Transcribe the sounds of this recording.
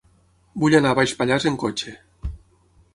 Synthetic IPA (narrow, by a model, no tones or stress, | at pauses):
buʎanaβajʃpaʎazeŋkot͡ʃe